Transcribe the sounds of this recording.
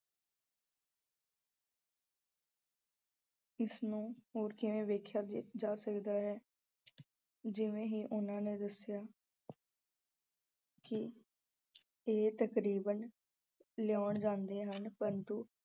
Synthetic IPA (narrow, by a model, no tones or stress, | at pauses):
ɪsnũːoːɾkɪʋẽːʋeːkʰjaːd͡ʒaːsəkd̪aːɦɛː | d͡ʒɪʋẽːɦiːʔʊnãːneːd̪əsjaː | kɪ | eːt̪əkɾiːbən | ljaːɳd͡ʒãːnd̪eːɦənpəɾt̪uː